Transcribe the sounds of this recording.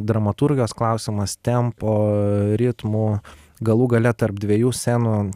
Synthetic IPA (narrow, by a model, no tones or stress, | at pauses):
d̪ɾɐmɐt̪uɾʲɡʲɪjoːsklˠɑˑʊsʲɪmɐst̪ʲɛmpoːɾʲɪt̪muː | ɡɐlˠuːɡɐlʲɛt̪ɐɾp̚d̪ʲʋʲiɛjuːsʲænuː